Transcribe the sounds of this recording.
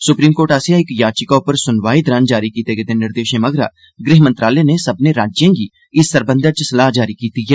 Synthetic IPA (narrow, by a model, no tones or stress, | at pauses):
sʊpɾiːmkoːʈasjãɪkjaːt͡ʃɪkaʊpəɾsʊnʋaːid̪ɾand͡ʒaːɾikiːt̪eɡet̪enɪɾd̪eːʃẽməɡɾa̰ː | ɡɾɪɦmə̃nt̪ɾaːlenesəbneɾaːd͡ʒjãːɡiː | ɪsːəɾbə̃nd̪at͡ʃəsəlaːɦd͡ʒaːɾikiːt̪iɦɛː